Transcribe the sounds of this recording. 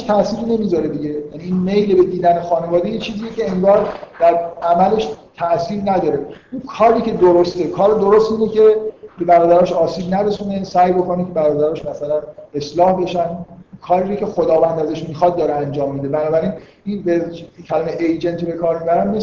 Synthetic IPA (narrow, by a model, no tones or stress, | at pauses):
ʃt̪ʰæʔsiːɾne̞mizɒɾe̞d̪iɟe̞jæniinmejlebed̪iːd̪ænexɒːne̞vɒːd̪ejet͡ʃʰiːziːjecʰe̞eŋɡɒːɾd̪̥æɾæmæle̞ʃt̪ʰæʔsiːɾnæd̪ɒːɾe̞ʔunkʰɒːɾiːcʰe̞d̪oɾost̪ekʰɒːɾed̪oɾost̪miːnd̪ecʰe̞be̞bæɾɒːd̪æɾɒʃɒːsiːbnæɾe̞sunesæːjbo̞ko̞necʰe̞bæɾɒːd̪æɾɒʃmæsælæne̞slɒːhbe̞ʃænkʰɒːɾiːɾocʰʲe̞xod̪ɒːvænd̪æzæʃmiːxɒːd̪̚d̪ɒːɾeænd͡ʒɒːmːiːd̪e̞bænɒːbæɾiːn | inbekʰælɒːmeʔejd͡ʒe̞nt̪ʰbe̞kʰɒːɾmibæɾænme